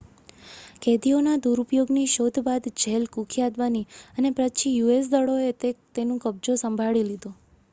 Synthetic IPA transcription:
kʰed̪ionad̪uɾupjoɡniʃod̪ʱbad̪d͡ʒʱelkukʰijad̪ʋaniənepɾət͡ʃʰijues̬d̪əɭoet̪et̪enũkəb̚d͡ʒosəmbʱaɭilid̪o

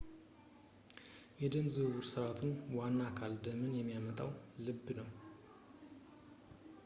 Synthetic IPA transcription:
jɛd̪əmzɨwuɾsəβat̪ʰunwanːakʰald̪əmɨnjɛmːijamət̪ʼawlɨbːnəw

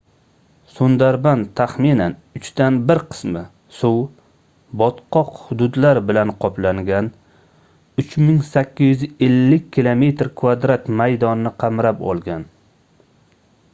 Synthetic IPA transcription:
sond̪aɾbant̪ʰaχminanʊt͡ʃt̪anbɪɾqʰɨ̥smɪ | sʊw | bɒt̪qʰɒqhʊd̪ʊd̪laɾbɪlanqʰɒplaŋɡʲan | ʊt͡ʃmɪŋsakʲːɪzjʏzelːɪkʲʰːɪlˠome̞t̪ɾkʰvad̪ɾat̪majd̪ɒnːɪqʰɑmɾapɒ̰lˠɡʲan

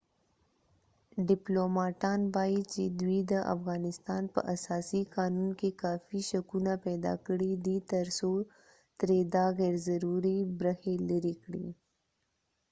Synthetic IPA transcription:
ɖɪplomɑʈɑːnbɑit͡ʃed̪wid̪əʔa̰fɣɑːnɪst̪ɑːnpə̰ʔɐsɑːsiqɑːnunkekɑːfiʃɐkunapɛːd̪ɑ̰kɽid̪it̪ɐɾsoɾ | t̪ɾed̪aɣɛːɾzɐɾuɾibɾəheləɾikɽḭ

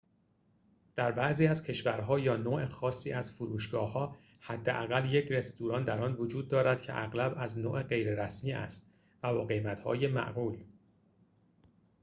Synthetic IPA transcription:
d̪̥æɾbæʔziːæzcʰe̞ʃvæɾɦɒːjɒːnoːʔexɒːsːiːæzfoɾuːʃɡ̥ɒːhɒː | hæd̪ːeʔæɣælje̞cʰɾe̞st̪uːɾɒːnd̪æɾɒːnvod͡ʒuːd̪̚ːɒːɾæd̪̥cʰe̞̰ʔæɣlæbæznoːʔe̞ɢe̞jɾeɾæsmiːæ̰st̪ | væbɒːɣe̞jmæt̪ʰhɒ̰ːje̞mæ̰ʔɣuːl

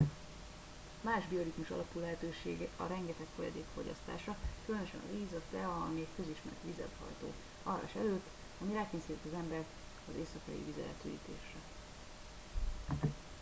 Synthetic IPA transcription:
maːʒbio̞lit̪muʃɒ̰lɒpuːlɛɦɛt̪øːʃḛːɡɒ̰ɾɛŋɡɛt̪ɛkfo̞jɒ̰d̪eːkfo̞ɟɒ̰st̪a̰ːʃɒkylønøʃɛ̰nɒ̰ziːzɒt̪ɛɒmikkø̞ziʃmɛɾt̪ʋizɛ̰t̪hɒ̰jt̪o̰ː | ɒrɒ̰iʃɛløːt̪ː | ɒmiɾaːkeːnsit̪it̪ːɒzɛmbɛɾk | ɒzeːsɒkɒ̰jḭvizɒɛ̰t̪yːlḭːt̪eːʃrɛ

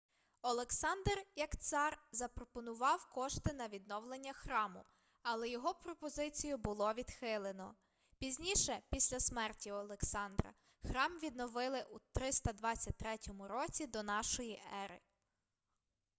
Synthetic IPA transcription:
ɔlˠeksɑnd̪rjɐkt̪sɑrzɐpɾɔpɔnʊʋɑwkɔʃt̪ɪnɐʋʲid̪nɔwlˠenʲːɐxɾɑmʊ̰ | ɐlˠɛjɔɦɔpɾɔpɔzɪt͡sʲijʊbʊlˠɔʋʲid̪xɪlˠenɔ | pʲizʲnʲiʃɛpʲisʲlʲɐsmɛrtʲiɔlˠeksɑnd̪ɾɐ̰ | xɾɑmʋʲid̪nɔʋɪlˠɪʔut̪ɾɪst̪ɐd̪ʋɑt͡sʲːɐt̚ʲt̪ɾɛtʲɔmʊɾɔt͡sʲid̪ɔnɑʃɔjiʔɛɾɪ̰

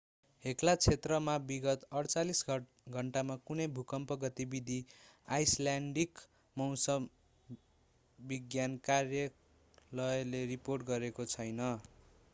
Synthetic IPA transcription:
ɦeklat͡sʰet̪rʌmabiɡʌt̪ʌɽt͡salisɡ | ɡʱʌɳʈamakunʌjbʱukʌmpʌɡʌt̪ibid̪ʱi | ajsljaɳɖik | mʌwsʌm | biɡjankarjʌ | lʌjʌleriporʈɡʌɾekot͡sʰʌjnʌ

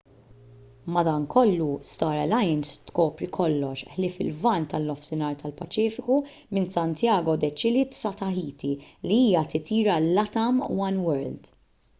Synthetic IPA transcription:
mɐd̪ɐːŋkʰɔlːust̪ɐːɾɛlɐjnst̪kɔːpɾikʰɔlːɔʃħlɪːfɪ̰lvɐnt̪ɐlːɔfsɪnɐːɾt̪ʰɐlpɐt͡ʃiːfɪku | mɪnsɐnt̪jɐːɡɔd̪ɛt͡ʃɪlit̪sɐt̪ɐħiːt̪iliiːjɐt̪ɪt̪iːɾɐlːɐt̪ɐmwɐnwɛɾld̪

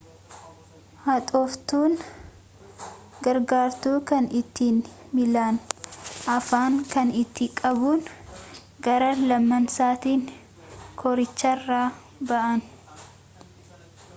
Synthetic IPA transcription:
hɐt̪ʼɔft̪uːn | ɡɐɾɡaːɾt̪uːkɐnɪt̪ːiːn | mɪlaːnʔɐfaːŋkɐnɪt̪ːɪkʼɐbuːn | ɡɐɾɐlɐmːɐnsaːt̪iːŋ | kʰɔɾɪt͡ʃːɐrːaː | bɐʔɐn

